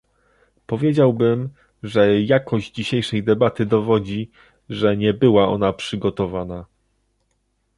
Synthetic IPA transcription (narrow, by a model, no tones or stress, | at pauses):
pɔvʲjed͡ʑawbɘm | ʐɛjakɔʑd͡ʑd͡ʑiɕejʂɛjd̪ɛbat̪ɘd̪ɔvɔd͡ʑi | ʐɛɲɛbɘwaɔ̰napʂɘɡɔt̪ɔvana